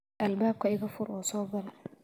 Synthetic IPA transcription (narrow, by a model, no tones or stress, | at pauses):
ʔɐlbaːb̚kʰɐɪɣɐfʊɾɔːsɔːbɐlɛ